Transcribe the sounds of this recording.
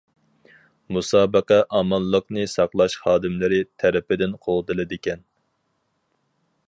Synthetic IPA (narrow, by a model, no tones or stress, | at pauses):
musɑːbəqɛʔɑmɑlˠːəqnɨsɑqlˠɑʃχɑːd̪ɨmlɪɾɪt̪ʰɛɾɪpɪd̪ɪnqʰolˠd̪ɨlˠɨd̪ɪkʲɛn